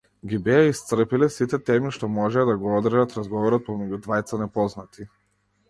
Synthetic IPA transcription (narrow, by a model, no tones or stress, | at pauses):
ɡibɛaist̪sr̩pilɛsit̪ɛt̪ɛmiʃt̪ɔmɔʒɛad̪aɡɔɔd̪rʒat̪ɾazɡɔvɔɾɔt̪̚pɔmɛɟud̪vajt̪sanɛpɔznat̪ʰi